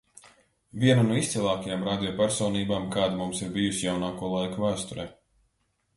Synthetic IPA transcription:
vʲiɛnunuist̪silˠaːkajamɾaːd̪ʲijɔpaɾsɔːniːbaːmkaːd̪amumsiɾbijusijawnaːkuɔlˠajkuvæːst̪uɾɛ

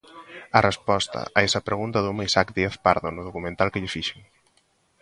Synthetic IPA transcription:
ɐrespɔst̪ɐ̰ʔaɛsɐpɾeɣunt̪ɐðumajsakd̪ieθpaɾðonʊðukumẽnt̪alkeʎɪfiʃeŋ

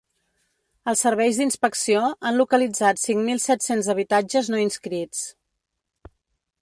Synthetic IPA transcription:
əlˠsːəɾβɛjzðinspəksioanlukəlid͡zat̪siŋmilˠsɛt̪senzəβ̞it̪ad͡ʒəznoinskɾit͡s

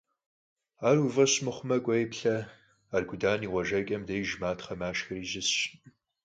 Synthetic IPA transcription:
aːruvɐɕmɨχʷʊmɐkʷʼɐjpɬɐ | arɡʷʊdaːniːʁʷɔʒɐkʲʼɐmdɐjʒmaːtʰχɐmaːʃxɐriːʒɪsɕ

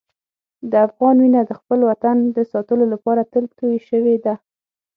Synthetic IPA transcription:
d̪əafɣɑnwinad̪əxpəlwat̪and̪əsɑt̪əlolapɑɾat̪əlɡt̪ojʃəwed̪a

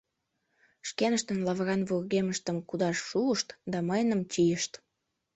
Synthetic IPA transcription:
ʃkenəʃt̪ənlɑβɣɑnβurɣeməʃt̪əmkud̪ɑʃːuəʃt̪d̪ɑməjnə̆mt͡ɕijəʃt̪

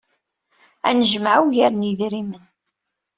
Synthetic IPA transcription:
æ̰nəʒəmʕawʝaɾniðɾimən

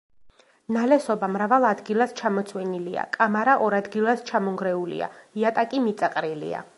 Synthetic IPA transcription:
nalɛsɔbamɾavalˠad̪ɡilˠast͡ʃʰamɔt̪sʰwɛnilia̰kʼamaɾaʔɔɾad̪ɡilˠast͡ʃʰamɔŋɡɾɛulḭa̰iat̪ʼakʼimit̪sʼaqʼɾilḭa̰

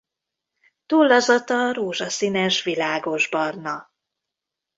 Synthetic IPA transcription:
t̪uːlːɒzɒt̪ɒɾoːʒɒsinɛʃvilaːɡo̞ʒbɒrnɒ

